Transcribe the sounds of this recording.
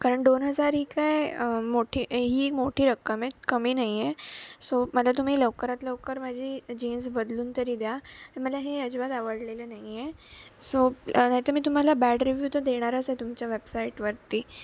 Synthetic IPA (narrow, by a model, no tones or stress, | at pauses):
kaɾəɳʈɖ̪onɦəd͡zaɾɦiːkaimoʈʰiːɦiːkmoʈʰiːɾəkːəmekəmiːnaɦijesoməlat̪um̤iːləʋkəɾat̪ləʋkəɾməd͡ʑʱiːd͡ʑiːnsbəd̪luːnt̪əɾiːd̪jaɽ̃iməlaɦeəd͡ʑʋat̪aʋəɽlelənaɦijesonaɦit̪əɾmiːt̪̬um̤alabæɖɾiʋjut̪əd̪eɽ̃aɾasɦet̪umt͡ɕaʋebsaiʈʋəɾt̪iː